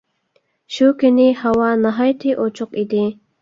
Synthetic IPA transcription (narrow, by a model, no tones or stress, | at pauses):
ɕukenihawanaɦajt̪ʰiʔot͡ʃʊqid̪i